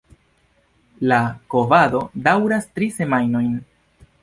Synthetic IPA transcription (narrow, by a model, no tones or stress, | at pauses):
lako̞vado̞dawɾastɾise̞majno̞jn